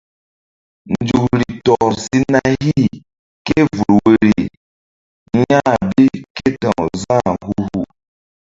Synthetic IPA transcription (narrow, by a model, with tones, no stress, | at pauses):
n˨d͡ʒu˨kɾi˨tɔ˨ɾsi˦na˦hi˦˨ | ke˦vu˨ɾwe˦ɾi˨˦ | ɲa˦bi˦ke˦tɔ˨ŋzã˦˨hu˦hu˦˨